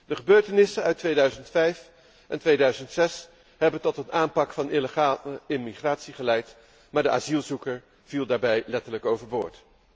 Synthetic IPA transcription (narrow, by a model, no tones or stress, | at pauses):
dəχəbøːɹtənɪsənœɥtʋejdœɥzəntfɛjf | ʔɛntʋejdœɥzəntsɛs | ɦɛbəntɔtənʔaːmpɑkfɑnɪləχaəɪmiχraːtsiχəlɛjt | maːɹdəʔa̰ːzilˠzukəɹ | v̥ilˠdaːɹbɛjlɛtələkowvəɹboːɹt